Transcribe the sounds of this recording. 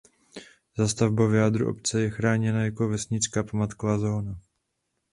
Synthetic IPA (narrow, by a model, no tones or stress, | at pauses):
zast̪avbovjaːd̪ɾṵʔo̞̰p̚t͡sɛjɛxɾaːɲɛnajako̞vɛsɲɪt͡skapmat̪kvaːzoːna